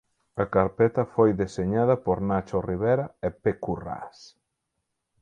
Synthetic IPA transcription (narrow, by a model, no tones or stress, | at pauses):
ɐkaɾpɛt̪ɐfojðeseɲað̞ɐpoɾnat͡ʃoriβeɾɐepekura̰s